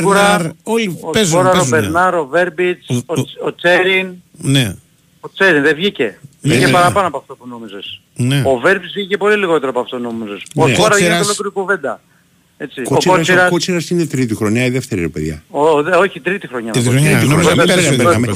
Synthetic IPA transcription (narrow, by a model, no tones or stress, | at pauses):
ɾnɐɾolopezoɾɐozbeɾnɐɾo̞ve̞ɾbit͡soot͡se̞ɾin | ne | ot͡seɾinðevʝice̞vʝicepɐɾɐpɐnoɐpoɐft̪opunomizes | neo̞ve̞ɾbizvʝice̞po̞liliɣo̞t̪eɾopoɐft̪ono̞mizespoetoɾɐvɾɐolokɾikuve̞nd̪ɐ | e̞t͡sikooskoɾɐsiɾɐkot͡siɾɐsinet̪ɾit̪̬ixɾo̞ɲɐiðeft̪eɾiɾepeðjʝɐ̰oðoçit̪ɾit̪ixɾo̞ɲɐit̪iɾiioizeeɐpeɐme